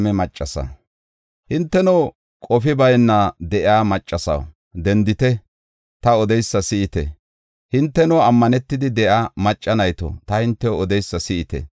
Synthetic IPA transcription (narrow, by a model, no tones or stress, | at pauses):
mɛmɐt͡ʃʼːɐsɐ̰ | hɪnt̪ːɛnɔ | kʼɔfɪbɐjnːɐd̪ɛʔɪaːmɐt͡ʃʼːɐsɐ̰w | d̪ɛnd̪ɪt̪ɛ | t̪ɐɔd̪ɛjsːɐsɪɪt̪ɛ̰ | hɪnt̪ːɛnɔɐmːɐnɛt̪ːɪd̪ɪd̪ɛʔaːmɐt͡ʃʼːɐnɐjt̪o̰t̪ɐhɪnt̪ːɛɔd̪ɛjsːɐsɪʔɪt̪ɛ̰